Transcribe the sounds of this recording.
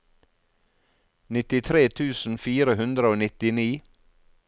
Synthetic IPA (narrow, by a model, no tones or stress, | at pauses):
nɪt̪ɪt̪ʰɾeːt̪ʰʉːsn̩fiːɾəhʉnd̪ɾəoːnɪt̪ɪniː